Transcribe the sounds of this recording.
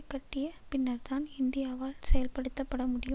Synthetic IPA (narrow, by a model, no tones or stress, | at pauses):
kːɐʈːɪjɐpɪnːɐɾt̪aːnɪnd̪ɪjaːʋaːlsɛjɐlpɐɽɯt̪ːɐpːɐɽɐmʊɽɪjɯ